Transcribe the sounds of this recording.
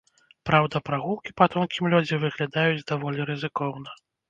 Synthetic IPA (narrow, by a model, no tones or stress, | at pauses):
pɾawd̪ɐpɾaɣulˠkʲipat̪ɔnkʲimlʲɔd͡zʲivɨɣlʲad̪ajud͡zʲd̪avɔlʲiɾɨzɨkɔwnɐ